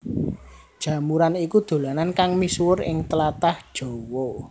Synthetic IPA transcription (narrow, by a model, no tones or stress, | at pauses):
d̥ʒ̥ä̤muɾanikud̪̥o̤lanankaŋmiswʊrɪ̰ŋt̪əlat̪ahd̥ʒ̥o̤wo